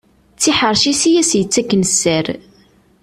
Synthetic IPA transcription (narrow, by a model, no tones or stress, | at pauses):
t͡sːiħəɾˤʃisijæsjət͡sːækːnəsæɾ